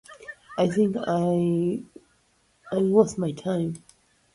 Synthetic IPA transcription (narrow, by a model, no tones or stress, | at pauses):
ʔaɪθɪ̃ŋkaɪ | aɪwʌsmaɪtʰãɪ̃m